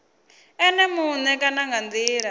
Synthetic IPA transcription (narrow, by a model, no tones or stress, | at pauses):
ɛnɛmunɛkanaŋɡand͡ziːɺa